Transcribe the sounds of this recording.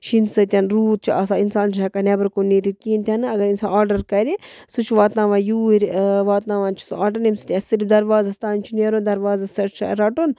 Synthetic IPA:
ʃinsɨt̪ʲanɾuːt̪̚t͡ʃʰiɐsainsaːnt͡ʃɐkanebɐɾkonːiɾit̪iːnt̪ʲanɨɐɡɐɾinsãnaːɾɖɐɾkɐɾʲi | sut͡ʃʰʋaːt̪naːʋãːjuːiɾʲʋaːt̪naːʋãːnt͡ʃʰu̥saːɾɖɐɾimsɨ̥t̪ʲasiɾfd̪ɐɾʋaːzɐst̪aːint͡ʃʰinieɾond̪ɐɾʋaːzasɐʈt͡ʃʰɾɐʈon

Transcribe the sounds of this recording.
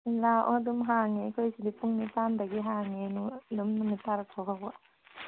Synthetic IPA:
laʔɔdumɦaŋekʰojsidipuŋnitandɐɡiɦaŋenudumnumitaɾakʰɔɦabɔ

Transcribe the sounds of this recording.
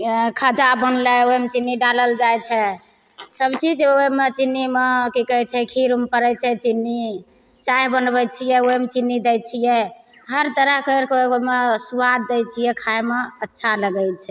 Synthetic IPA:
kʰəd͡ʒabənlɛomet͡ʃinːiɖaləld͡ʒajt͡ʃʰɛ | səbt͡ʃid͡ʒomet͡ʃinːimekikəɦɛt͡ʃʰɛkʰiɾumpəɾɛt͡ʃʰɛt͡ʃinːi | t͡ʃajbənbɛt͡ʃʰijɛoemet͡ʃinːid̪ɛjt͡ʃʰijɛ | ɦəɾt̪əɾəɦkekeoomesuad̪d̪ɛt͡ʃʰijɛkʰajmeətːʃʰaləɡɛjt͡ʃʰɛ

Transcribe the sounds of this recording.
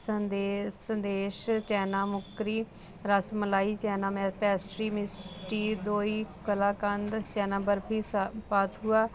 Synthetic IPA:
sənd̪esənd̪eːʃt͡ʃɛːnãːmʊkɾiː | ɾəsməlaːiːt͡ʃɛːnaːmɛːpɛːsʈɾiːmɪsʈiːd̪oːiːkəlaːkənd̪t͡ʃɛːnãːbəɾpʰiːpaːt̪ɦuaː

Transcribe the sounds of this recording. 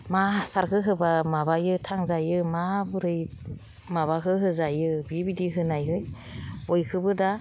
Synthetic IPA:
masaɾkʰɯɦɯbamabajɯtʰaŋzajɯmabɯɾɯj | maβakʰɯɦɯzajɯbibidiɦɯnajɦɯjojkʰɯbɯda

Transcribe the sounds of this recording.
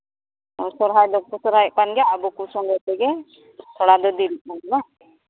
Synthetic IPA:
ɔsɔɾɦajd̪ɔpusɔɾɦajʔ̚kanɡaːbukusɔŋɡɔjt̪ɛɡɛ | t̪ʰɔɽad̪ɔd̪iɾit̪̚ˀmanɛla

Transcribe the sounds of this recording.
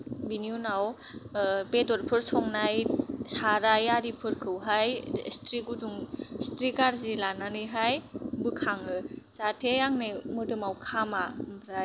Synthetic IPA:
biniunaw | pedɔɾpʰɯɾsʰɔŋnajsaɾajaɾipʰɯɾkʰɯwɦajstʰɾiɡuduŋstɾikaɾzilananɯɦajbɯkʰaŋɯzatʰejaŋnɯmɯdɯmawkʰamambʰɾa

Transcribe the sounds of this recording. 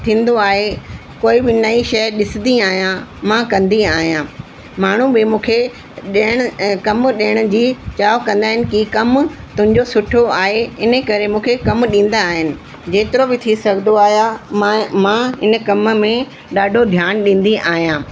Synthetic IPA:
t̪ʰĩːn̆d̪oaːɦe | koːibɪnɐiʃɐɗɪsɪ̃nd̪iaːɦijãmãkɐ̃nd̪iaːɦijãː | maːɳ̤ũbɪmũːkʰe | ɗɪɽ̃ʊkɐmɗɪəɽ̃ʊ̆d͡ʑiːt͡ɕaːokɐ̃nd̪aːɦɪnɪ̆kikɐmt̪ʊ̃ɦɪ̃ɲd͡ʑosʊʈʰoaːɦeɪnə̆kɐɾemũːkʰekɐmɗĩːn̆d̪aːɦɪnɪ̆ | d͡ʑeːt̪ɪɾobɪt̪ʰisɐɡʱd̪oaːɦja | mãɦɪnə̆kɐməmẽ | ɗaːɖʱod̪ʱjaːñɗĩːn̆d̪iʔaːɦijãː

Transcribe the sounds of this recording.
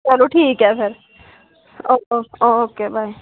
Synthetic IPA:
t͡ʃɛluʈʰiːkɦɛpʰɪɾ | oːooːoːkeːbʱaːi

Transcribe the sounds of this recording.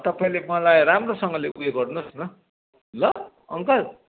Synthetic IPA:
t̪ʌpaĩlemʌlajramrosʌŋɡʌleuɡeɡʌrnosnʌ | lʌ | ʌ̰ŋkʌl

